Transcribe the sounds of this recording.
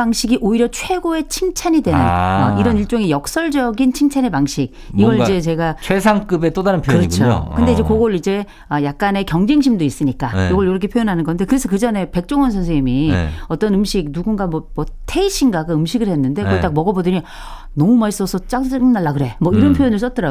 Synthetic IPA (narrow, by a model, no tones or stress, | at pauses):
aŋɕʰiɡiʔoiɾjʌt͡ɕʰwe̞ɡoe̞t͡ɕʰiŋt͡ɕʰaɲidwe̞nɯnʌiɾʌniɭt͡ɕ͈oŋejʌk̚s͈ʌɭd͡ʑʌɡint͡ɕʰiŋt͡ɕʰanepaŋɕʰik̚ | iɡʌɾiid͡ʑe̞t͡ɕe̞ɡat͡ɕʰesʰaŋk͈ɯbet͈odaɾɯnpʰjoɯɾʌt͡ɕʰokɯnde̞id͡ʑe̞koɡʌɭid͡ʑe̞ | ʌjak̚k͈ane̞kjʌŋd͡ʑeŋɕ̬ʰimdois͈ɯɲik͈ajoɡʌɭjoɾʌkʰe̞pʰjojonɦanɯnɡʌnde̞kɯɾe̞sʰʌkɯd͡ʑʌne̞pe̞k̚t͡ɕ͈oŋʌnsʰʌns̬ʰeimiʌt͈ʌnɯmɕʰik̚nuɡunɡamwʌmwʌtʰe̞iɕʰiŋɡaɡaɯmɕʰiɡɯɭhe̞nːɯnde̞kɭt͈ak̚mʌɡʌbodʌɲi | nʌmumais͈ʌsʰʌt͡ɕ͈anaɭːakɯɾe̞mʌiɾʌnpʰjojonɯɭs͈ʌt͈ɯɾa